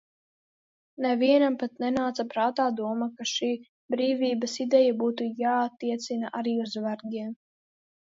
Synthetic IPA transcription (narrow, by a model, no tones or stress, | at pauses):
nɛviɛnampat̪̚nɛnaːt̪sapɾaːt̪aːd̪uɔmakaʃiː | bɾiːvʲiːbasid̪ɛjabuːt̪ujaːat̪ːiɛt̪sinaʔaɾiːuzvaɾɡʲiɛm